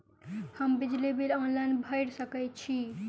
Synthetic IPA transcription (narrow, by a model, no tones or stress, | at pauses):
həmbid͡ʒlibilɔnlaɪnbʱəɪɽsəkət͡ʃʰi